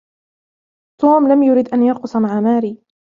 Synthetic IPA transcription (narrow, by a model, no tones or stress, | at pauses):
t̪oːmlamjʊɾiːd̪ʔanjɑqʊsmaʕamaːɾiː